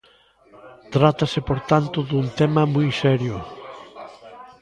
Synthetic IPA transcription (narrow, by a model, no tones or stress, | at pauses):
t̪ɾat̪ɐsɪpoɾt̪ant̪ʊðunt̪ɛmɐmujsɛɾjʊ